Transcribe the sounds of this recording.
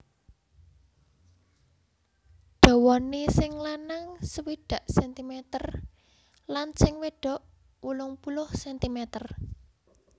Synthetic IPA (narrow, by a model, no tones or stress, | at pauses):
ɖ̥ɔ̤wɔnisɪŋlanaŋsəwiɖ̥ä̤ʔsɛnt̪imɛt̪ər | lansɪŋweɖ̥ɔ̤ʔ | wulʊŋpulʊhsɛnt̪imɛt̪ər